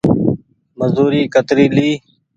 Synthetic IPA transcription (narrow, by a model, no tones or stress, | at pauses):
məzuːɾiːkət̪ɾiːliː